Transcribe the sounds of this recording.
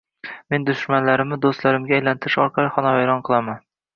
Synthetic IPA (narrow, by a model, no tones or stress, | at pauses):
me̞nd̪ʊʃmanlaɾɪmnɪd̪ost̪laɾɪmɡʲaːjlant̪ʰɪɾɪʃɒɾqʰɑlˠɪχɒnɒvajɾɒnqʰɨlˠaman